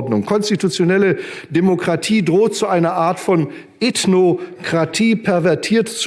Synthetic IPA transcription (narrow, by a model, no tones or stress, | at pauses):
dnʊŋkʰɔnstitut͡sjonɛlədemokʁ̥atʰiːdʁoːt̚t͡suʔaɪnɐʔaːɐtfɔn | ʔetnokʁ̥atʰiːpʰɛɐvɛɐtʰiːɐtt͡s